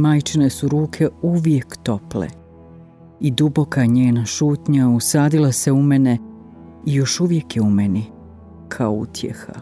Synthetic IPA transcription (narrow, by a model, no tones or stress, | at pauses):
maːjt͡ʃine̞suɾuːkʰe̞uʋje̞kt̪o̞plḛ | id̪ubo̞kaɲeːnaʃuːt̪ɲausaːd̪ilˠase̞umene̞ | ijo̞ʃuʋje̞kjeumeni | kʰaoṵt̪ʰjḛxa̰